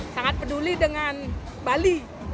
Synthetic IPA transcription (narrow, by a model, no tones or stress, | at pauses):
saŋat̪̚pədulidəŋan | bali